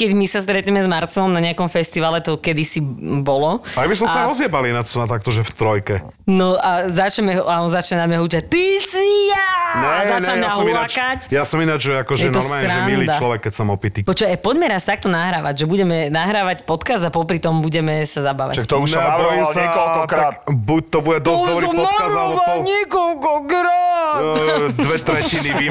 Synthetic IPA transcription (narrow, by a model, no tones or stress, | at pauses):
kɛɟmisast̪ɾɛt̪ɲɛmɛzmaɾt͡sɔmnaɲɪakɔmfɛst̪iʋaːlɛt̪ɔkɛd̪isibɔlɔajbisɔmaɔzɪɛbalinat͡sɔnat̪ak̚t̪ɔʒɛft̪ɾɔjkɛ | nɔʔazat͡ʃɛmɛɦaɔnzat͡ʃɲɛnamɲɛɦut͡ʃat̪ismijaɲɛazaaʎmɛɦɔmilakacjasɔminad͡ʒʒɛakɔʒjɛnɔɔɾmaːlt̪ɾaɛɲɛmilid̪at͡ʃlɔʋɛkːɛcsɔmɔpit̪ipɔt͡ʃɔapɔɟmɛɾast̪ak̚t̪ɔnaɦɾaːʋaɟʒɛbuɟɛmɛnaɦɾaːʋacpɔt̪kazd̪apɔpɾit̪ɔmbuɟɛmɛsazabaːʋa̰ʃakt̪ɔuʃnɔjimssaɔlkɾabuc̚t̪ɔbuɟɛd̪ɔɔbɾiuɔɔaɾuʋɔɲɛkɔlkɔɡɾa | d̪ʋɛt̪ɾɛcinii